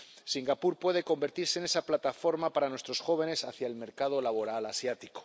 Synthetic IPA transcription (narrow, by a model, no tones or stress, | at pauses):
siŋɡapuɾpwe̞ðe̞ko̞mbe̞ɾt̪iɾse̞ːne̞saplat̪afo̞ɾmapaɾanwe̞st̪ɾo̞sxo̞β̞e̞ne̞saθjaelme̞ɾkað̞o̞laβ̞o̞ɾalasjat̪iko̥